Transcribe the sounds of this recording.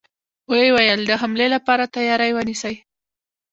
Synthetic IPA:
wəwajəld̪əɦamlelapɑɾat̪ajɑɾəjwənisəj

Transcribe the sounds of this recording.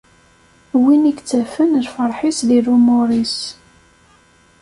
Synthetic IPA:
winikt͡sːæfənəɾfəɾˤħisðirumʊɾis

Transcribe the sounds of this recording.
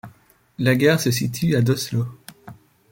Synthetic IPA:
laɡʲɛʁsəsit̪ʰyad̪ɔslo

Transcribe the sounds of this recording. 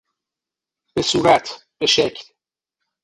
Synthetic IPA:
b̥e̞suːɾæt̪ʰb̥e̞ʃecʰl

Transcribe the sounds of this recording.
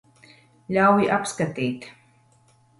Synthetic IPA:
ʎawwiʔapskat̪iːt̪

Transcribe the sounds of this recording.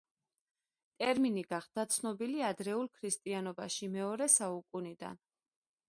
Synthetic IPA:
t̪ʼɛɾminiɡaχd̪̥at̪sʰnɔbiliad̪ɾɛulˠkʰɾist̪ʼianɔbaʃimɛɔɾɛsaukʼunid̪a̰n

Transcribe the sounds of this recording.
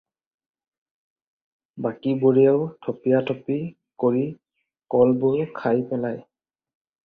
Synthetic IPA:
bakiboɹijaʊtʰɔpijatʰɔpi | koɹi | kɔlbʊɹkʰajpɛlaj

